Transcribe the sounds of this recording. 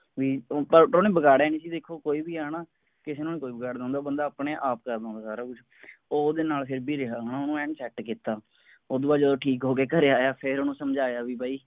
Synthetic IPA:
ʋiːpəɾɾoːnẽːbəɡaːɽaːiːnĩːsiːd̪eːkʰoːkoːiːbiːaːɽaː | kɪseːnõːnẽːkoːiːbəɡaːɽd̪ãːnd̪aːbənd̪aːpɳeːʔaːp̚kəɾd̪ãːnd̪aːsaːɾaːkʊd͡ʒʰ | oːd̪eːnaːlpʰɪɾbiːɾeɦaːɦoːnaːoːnũːɛ̃ːɳsɛːʈkiːt̪aː | oːd̪õːaːd͡ʒəd̪õːʈʰiːkɦoːkeːkəɾeːaːjaːpʰɪɾoːnũːsəmd͡ʒaːjaːʋiːbaːiː

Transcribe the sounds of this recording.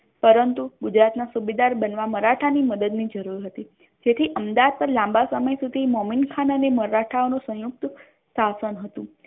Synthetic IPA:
pəɾənt̪uɡud͡ʒɾat̪nasubid̪aɾbənʋaməɾaʈʰaniməd̪əd̪nid͡ʒəɾuɾɦət̪i | d͡ʒet̪ʰiʔəmd̪aad̪̚pəɾlãmbasəməjsud̪ʱimɔminkʰanəneməɾaʈʰaonũsə̃juk̚t̪ | sasənɦət̪ũ

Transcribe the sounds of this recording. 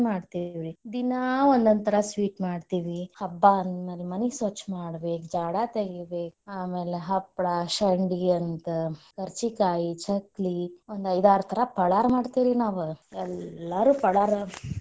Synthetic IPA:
maːɖt̪iʋɾid̪inaond̪ɐnt̪ɐɾɐsʋiːʈmaːɖt̪iːʋihɐbːanmɐlimɐnisoːt͡ʃmaːɽbeːkd͡ʒaːɽat̪eɡibeːk̚aːme̞ːleɦɐpːɽaʃɐɳɖiɐnt̪ɐkɐɾt͡ʃikaːjit͡ʃʰɐkliond̪ɐjd̪aːɾut̪ʰɐɾɐpɐɭaːɾmaːɽt̪iːɾinaːʋuɛlːɐɾuːpɐɽaːɾ

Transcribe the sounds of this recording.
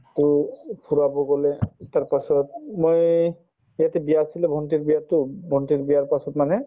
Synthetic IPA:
tʊpʰuɹabɔɡɔlɛtaɹpasɔt̚moj | jatɛbijaːsilɛbʱɔntiɹbijatʊbʱɔntiɹbijaɹpasɔtmanɛ

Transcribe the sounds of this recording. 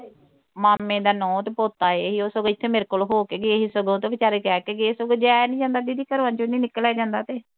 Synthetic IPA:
maːmẽːd̪aːnɔ̃ːt̪eːpoːt̪aːeɦiːoːsoɡeɪt̪ʰːeːmeːɾekoːlɦoːkeːɡeeɦiːsəɡõːt̪eːbɪt͡ʃaːɾeːkɛːkeːɡeeːsoɡeːd͡ʒɛːnĩːd͡ʒãːnd̪aːt̪iːd̪iːkəɾãːt͡ʃonĩːnɪkːəlɛːd͡ʒãːnd̪aːt̪eː

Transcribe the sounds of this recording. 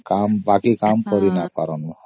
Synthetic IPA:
kambakikamkɔɾinakɔ̰ɾɔnuɦɔ

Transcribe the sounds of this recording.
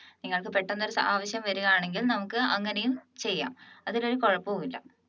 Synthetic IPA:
niŋːɐɭkɨpe̞ʈːonːoɾusɐmaːʋɐɕjɐmʋɐɾuɣɐjaːɳe̞ŋɡilnɐmukːɨɐŋːɐnejumt͡ɕe̞jːa̰ːmɐðilo̞ɾuko̞ɻɐpːɨoːɣilːɐ̰

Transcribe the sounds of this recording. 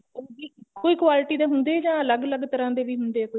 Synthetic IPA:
iːkoiːkwaːlɪʈiːd̪eːɦʊnd̪eːd͡ʒãːələɡələɡt̪əɾãːd̪eːʋiːɦʊnd̪eːkoi

